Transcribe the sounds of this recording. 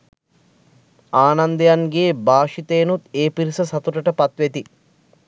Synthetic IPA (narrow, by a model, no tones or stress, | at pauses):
aːnɐnd̪əjaŋɡeːbaːʃit̪ejːnut̪eːpiɾisɐsɐt̪uʈəʈəpɐt̪ʋet̪i